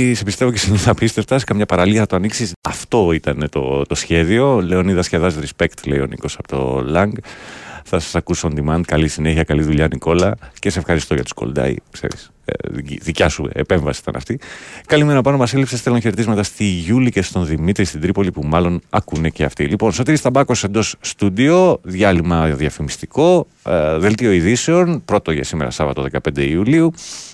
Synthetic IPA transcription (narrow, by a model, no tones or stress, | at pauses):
sepist̪e̞voceiniθɐpist̪esft̪ɐsi̥kɐmɲɐpɐɾɐliɐθɐt̪oɐniksisɐft̪o̞it̪ɐne̞t̪o̞̰t̪osçe̞ðio̞leoniðɐsçeðɐzɾispekt̪leio̞̰nḭko̞sɐpot̪o̞̰lɐŋɡθɐsɐ̥sɐkussond̪imɐnd̪̚kɐlisine̞çiɐkɐliðuʎɐniko̞lɐcesesefxɐɾist̪o̞ʝɐt̪u̥sko̞̰ld̪ɐ̰ḭksḛɾḭs | ðicɐsuḛpe̞ɱvɐsi̥si̥t̪ɐ̰nʔɐ̰ft̪ikɐlimeɾnopɐnomɐselipsesθe̞loçe̞ɾet̪izmɐt̪ɐst̪iʝulice̞st̪o̞nðimit̪ɾist̪id̪ɾipo̞lipumɐlo̞nɐ̰kune̞ceɐft̪ilipo̞nso̞t̪iɾist̪ɐbɐko̞se̞nd̪o̞sːt̪ud̪io̞ðʝɐlimɐðɐfimist̪iko̞ | ðe̞lt̪io̞iðiseo̞npɾo̞t̪oʝɐ̰simeɾɐ̰sɐvɐ̰t̪oðe̞kɐpe̞nd̪e̞iuliu